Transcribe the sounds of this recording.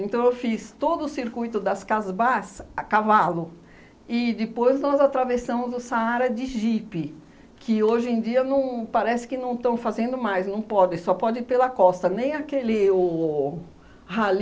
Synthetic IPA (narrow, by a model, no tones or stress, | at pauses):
ẽnt̪ɐ̃w̃ewfist̪od̪ʊːsiɾkujt̪ʊd̪ɐskazbasakavalʊ | ɪd̪ɪpojznɔzat̪ɾavesɐ̃mʊzʊsaaɾɐd͡ʒɪʒipɪ | kʰɪoʒẽj̃d͡ʒiɐnɐ̃w̃paɾɛsɪ̥kɪnɐ̃w̃t̪ɐ̃w̃fazẽnd̪ʊmajznɐ̃w̃pɔd͡ʒɪ̃sɔpɔd͡ʒɪpelɐkɔst̪ɐnẽj̃ɐkelɪo | hal